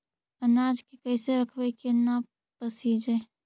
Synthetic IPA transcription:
ənad͡ʒkekəɪseɾəkʰbəjkena | pəsid͡ʒɛ

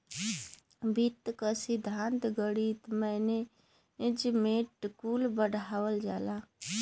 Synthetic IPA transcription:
bʱit̪ːkəsid̪ʱãnt̪ɡəɽit̪məne | d͡ʒmeʈkulbəɽʱawəld͡ʒala

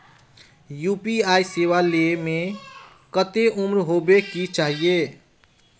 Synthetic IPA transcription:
juːpiaiseʋalemẽ | kət̪eʔumɾɦobekit͡ʃaːɦie

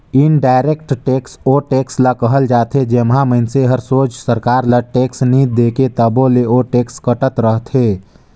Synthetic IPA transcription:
ɪnɖaːɪɾeːk̚ʈʈeːksoːʈeːkslakəɦəld͡ʒaːt̪ʰed͡ʒemɦãməɪnseɦəɾsoːt͡ʃsəɾkaːɾlaʈeːksnid̪eːket̪əbõleoːʈeːkskəʈət̪ɾəɦt̪ʰeː

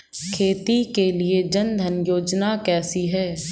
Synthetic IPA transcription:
kʰeːt̪ikelied͡ʒənd̪ʱənjoːd͡ʒnakɛːsiɦɛː

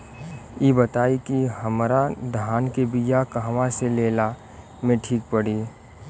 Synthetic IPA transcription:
ebət̪aːikiɦəmɾad̪ʱaːnkebijakəɦʋãseleːla | mẽʈʰiːk̚pəɽi

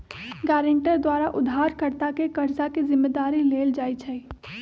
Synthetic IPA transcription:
ɡaːɾə̃ɳʈəɾd̪waːɾaʔʊd̪ʱːaːɾkəɾt̪akekəɾzakizɪmːed̪aːɾileːld͡ʒaːit͡ʃʰɛi

